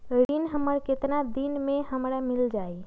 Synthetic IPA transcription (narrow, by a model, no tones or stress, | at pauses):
ɽinɦəməɽkɪt̪nad̪inmẽɦəmɾamɪld͡ʒaːi